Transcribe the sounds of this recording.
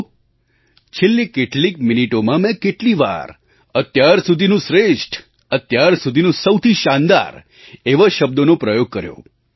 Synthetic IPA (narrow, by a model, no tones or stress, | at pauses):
t͡ʃʰelːikeʈlik̚miniʈomãmɛ̃keʈliʋa̰ɾ | ət̪jaɾsud̪ʱinũʃɾeʃʈʰ | ət̪jaɾsud̪ʱinũsəwt̪ʰiʃãnd̪a̰ɾ | eʋaʃəb̚d̪onopɾəjoɡ̚kəɾjõ̰